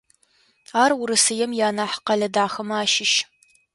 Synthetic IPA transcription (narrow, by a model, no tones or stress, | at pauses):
aːrʊɾɨsɨjɛmjaːnaːħqɐɮɐdaːxɐmɐaːʃɪʃ